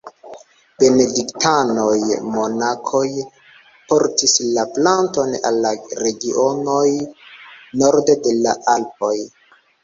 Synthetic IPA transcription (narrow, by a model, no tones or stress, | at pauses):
b̥e̞ne̞diktano̞jmo̞nakʰo̞j | po̞ɾtislaplanto̞na̰lːaɾe̞ɡiʔono̞j | no̞ɾdede̞laʔalp̚o̞j